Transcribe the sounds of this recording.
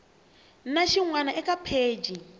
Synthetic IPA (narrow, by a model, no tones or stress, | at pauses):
naʃiŋwanaʔɛkapʰeːd͡ʒi